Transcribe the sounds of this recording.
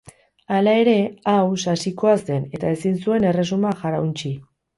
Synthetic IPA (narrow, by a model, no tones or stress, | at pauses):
alae̞ɾe̞awsasiko̞azd̪e̞ne̞t̪ae̞sinsue̞nere̞sumaʝaɾawnt͡ʃi